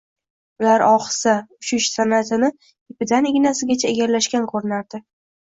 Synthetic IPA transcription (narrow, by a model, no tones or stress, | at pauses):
ʊlaɾʔɒχɨ̥saʊʃɪʃsanat̪ʰɪnɪ | epɪd̪aneɡʲnasɪɡʲat͡ʃʰaeɡʲaɾlaʃkʲanqʰoɾɪnaɾd̪ɪ